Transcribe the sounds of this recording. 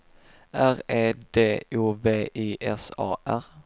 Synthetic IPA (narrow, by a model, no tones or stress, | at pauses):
ʔæʁeːd̪eːuːveːʔiːʔɛsɑ̰ːʔæʁ